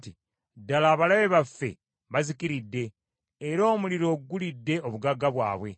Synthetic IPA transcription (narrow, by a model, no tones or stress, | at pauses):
ti | dalaːβalaβe̞βafːe̞̰ | βazikiɾidːe̞ː | ɾo̞ːmuliɾo̞ːɡːulidːe̞oβuɡaɡaβwa̰ːβwe̞̰